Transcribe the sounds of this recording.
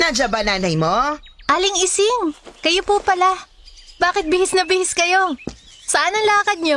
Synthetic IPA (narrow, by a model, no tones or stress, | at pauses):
nad͡ʒabɐnaːnɐjmoʔalɪŋɪsɪŋkɐjopupɐla | baːkɪt̪̚bɪhɪsnɐbɪhɪskɐjo | sɐʔanɐŋlaːkɐd̪̚ɲo